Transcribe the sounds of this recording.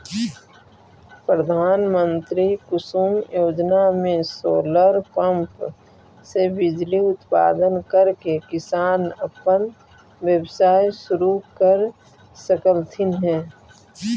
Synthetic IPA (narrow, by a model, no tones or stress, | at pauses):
pɾəd̪ʱaːnmənt̪ɾikʊsuːmjoːd͡ʒnamẽsoːləɾkə̃mp | sebɪd͡ʒliʊt̪pa̰ːd̪ənkəɾkekɪsaːnəpən | wjəbsaːjsʊɾukəɾ | səkəlt̪ʰɪnɦɛ̃ː